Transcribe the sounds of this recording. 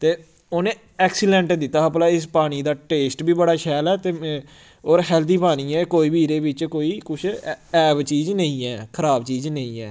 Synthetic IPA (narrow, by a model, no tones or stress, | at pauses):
t̪eː | oːnẽː | ɛːksiɖɛ̃ɳʈd̪ɪt̪ːaːəplaːɪs̬paːɽ̃iːd̪aːʈeːsʈbʱiːbəɽaːʃɛːlɛːt̪eː | oːɾɦɛːlt̪iːpaːñiːɛ̃ːkoːiːbiːɾeːbɪt͡ʃkoːiːkʊt͡ʃʰɛːbt͡ʃiːznəĩːɛːkʰəɾaːbt͡ʃiːznəĩːɛː